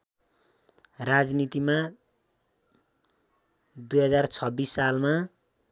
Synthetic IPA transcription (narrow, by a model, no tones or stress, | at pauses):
rad͡znit̪ima | d̪ujɦʌd͡zart͡sʰʌbisːalma